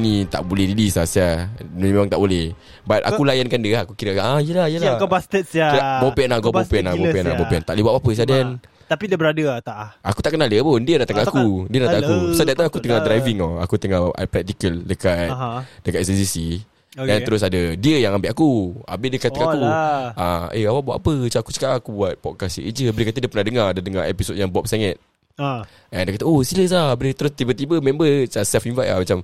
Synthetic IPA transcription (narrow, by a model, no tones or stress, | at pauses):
nĩt̪a̰ʔbolɛhdidisasamẽmaŋt̪aʔbolɛh | bat̪̚a̰kulajankandiəakukiɾəaijəlahijəlahkbast̪ət̪sjakabopeanaɡɔbpopeɛnabopʔɛna̰nbopiant̪aʔlibaʔ̚papəs̬adɛn | t̪apidəbəɾadət̪aʔaku̥t̪aʔkənaləpʊndiəɾat̪akaakudiəɾat̪aakusadat̪aakut̪əŋad̪ɾajviŋɔa̰kut̪əŋɔhpɾɛk̚t̪ikəldəkat̪̚dəkat̪̚səsisi | ant̪əɾʊs̬adədiəjaŋambɪʔakua̰mbɪʔdiəkat̪əkakuaeawaʔbaaʔapət͡ʃaaku̥t͡ʃə̥kaʔakubuat̪̚pɔt̪̚kasə̰ʔid͡ʒəbəɾikat̪ədiəpənahdəŋaadadəŋaḛpisot̚jaŋbuap̚saŋɛt̪̚ | ɛndiəkat̪əosiləs̬abəɾit̪əɾʊst̪ibət̪ibəmɛmbət͡ʃasɛfinvaja̰hmat͡ʃam